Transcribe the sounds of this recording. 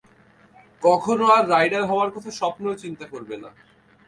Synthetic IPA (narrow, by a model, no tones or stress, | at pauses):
kɔkʰonoaɾːajɖaɾɦɔoaɾkɔt̪ʰaʃɔpnoot͡ɕint̪akoɾbena̰